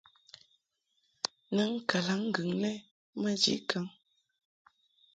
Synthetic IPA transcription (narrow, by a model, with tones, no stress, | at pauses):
nə˦ŋ̩˦ka˨la˨˦ŋ̩˦ɡʉ˨ŋnɛ˦ | mə˦d͡ʒḭ˦ʔkʰa˦ŋ